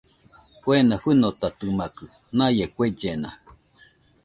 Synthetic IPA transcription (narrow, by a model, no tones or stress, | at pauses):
kwenaɸɨnot̪at̪ɨmakɨ | najekʷed͡ʒena̰